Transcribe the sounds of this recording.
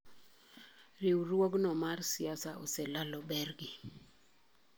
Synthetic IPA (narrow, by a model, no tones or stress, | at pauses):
rɪwɾwoɡnɔmarsɪasaɔsɛlalɔbɛrɡi